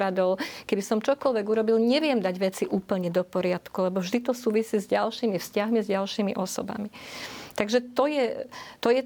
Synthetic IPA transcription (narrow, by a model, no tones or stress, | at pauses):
ad̪ɔʊkɛbisɔmt͡ʃɔkɔlʋɛɡuɾɔbilɲɛʋɪɛmd̪aɟʋɛt͡siʔuːpl̩ɲɛd̪ɔpɔɾɪat̪kulɛbɔvʒd̪it̪ɔsuːʋisiːzɟalʃiːmifscaɦmizɟalʃiːmḭʔɔsɔ̰ba̰mit̪aɡʒɛt̪ɔjɛt̪ɔjɛ